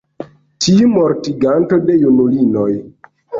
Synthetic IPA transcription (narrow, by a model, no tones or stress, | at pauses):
tiumoɾtiɡanto̞dejunulinoj